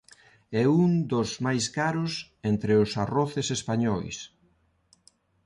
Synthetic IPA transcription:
ɛund̪ʊzmajskaɾʊs | ent̪ɾɪʊsaroθɪsespaɲɔjs

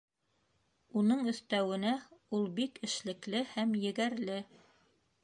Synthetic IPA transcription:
unɤɴɵ̆θt̪æwɘ̆næulˠbikɘ̆ʃlɘ̆klɘhæmjɘ̆ɡæɾlɘ

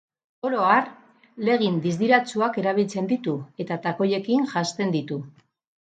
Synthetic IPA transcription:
oɾo̞aɾ | le̞ɣ̞ind̪izd̪iɾat͡suake̞ɾaβ̞ilt͡se̞nd̪it̪ue̞t̪at̪ako̞je̞kiŋʝast̪e̞nd̪it̪u

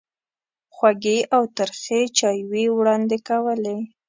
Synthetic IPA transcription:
xwaɡeawt̪əɾxet͡ʃɑjwewɽɑnd̪ekawəle

